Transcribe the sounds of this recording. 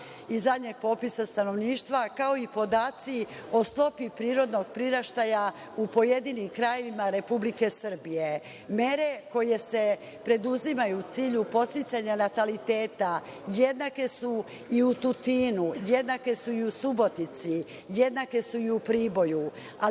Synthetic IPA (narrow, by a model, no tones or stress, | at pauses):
izad̪ɲeɡ̥̚po̞ːpisast̪ano̞ʋniːʃt̪ʋakao̞ipo̞d̪aːt̪sio̞st̪o̞pipɾiːɾo̞d̪noɡ̚pɾiɾaʃt̪aja | upo̞je̞d̪iːnimkɾaje̞ʋimaɾe̞publike̞sr̩bije | me̞ɾe̞ko̞je̞se̞ | pɾe̞d̪uzimajut̪siːʎupo̞st̪it̪saɲanat̪alit̪e̞ːt̪aje̞d̪nake̞su | iut̪ut̪iːnuje̞d̪nake̞suiusubo̞t̪it̪si | je̞d̪nake̞suiupɾiːbo̞ju | a